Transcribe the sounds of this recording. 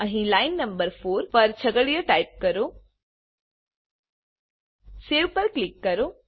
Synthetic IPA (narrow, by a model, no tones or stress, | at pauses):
əɦĩlaɪnːɐmbəɾfʰoːɾpɐɾt͡ʃʰɐɡəɽijəʈaip̚kəɾo | seːʋpəɾklikːɐɾoː